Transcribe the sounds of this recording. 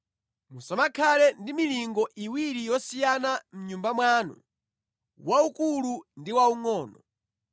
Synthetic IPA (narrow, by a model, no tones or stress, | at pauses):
musamakʰalɛndimiliŋɡɔʔiwiɾijɔsijanam̩ɲumbamwaːnɔ̰ | waukulundiwauŋɔːnɔ